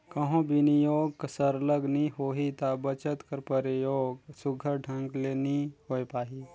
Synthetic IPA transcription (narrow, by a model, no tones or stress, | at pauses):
kɐɦõbinijoːɡksəɾləɡniɦoːɦit̪abət͡ʃət̪kəɾpəɾijoːɡsʊɡʱəɖʰʱɐ̃ŋɡleːniɦoːjpaːɦi